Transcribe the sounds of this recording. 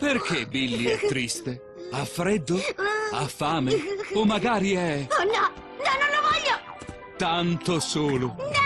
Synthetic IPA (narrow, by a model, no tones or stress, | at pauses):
perk̟ebilːiɛt̪ːɾist̪e | afːɾɛd̪ːoafːaːmeomːaɡaːɾiɛnɔ | nɔnːonlovɔʎːo | t̪ant̪osoːlo